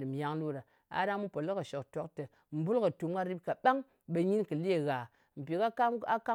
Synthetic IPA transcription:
dɨ˨mja˦ŋlu˦˨ɾa˨ | a̰˨da˦mu˦po˨lə˦kə˨ʃo˨kto˦ktə˨ | m̩˨bu˦lkə˨tu˨m˦ɡa˦ɾi˦p̚ka˨ɓa˦ŋ | ɓe˨˧ɲi˦nkɨ˨le˦˨ɣa˨ | m̩˨pi˨ka˦a˦ka˦

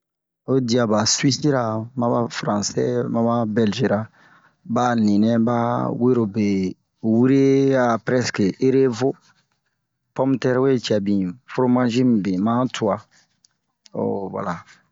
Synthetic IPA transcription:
o˦di˨a˨ba˨swi˦si˦ɾa˨mã˦ba˦fɾã˨sɛ̰˦mã˦ba˦bɛ˨lʒe˨ɾa˨ | ba˦nĩ˨nɛ̃˦ba˦we˦ɾo˨be˨ | wi˦ɾe˦a˨pɾɛ˦ske˨e˦ɾe˦vo˦ | pɔ̃˦mtɛ˦ɾwe˦t͡ʃɛ˨bĩ˨fɾo˦mã˦ʒĩ˦mbe˨mã˦tʰu˨a˨ | o̰˦˨wa̰˨la˨

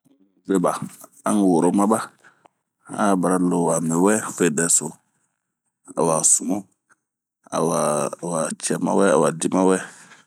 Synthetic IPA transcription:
be˦ba˨ | ã˦ŋ˨wo˨ɾo˨˦ma˦ba˦ | a˨ba˨ɾa˦lo˨wa˨me˨wɛ˦fe˦˨dɛ˨so˨ | a̰˨wa˨su˨mo˦ | a̰˨wa˨wa˨t͡ʃɛ˨ma̰˦wɛ˦a˨wa˨di˦ma˦wɛ˦

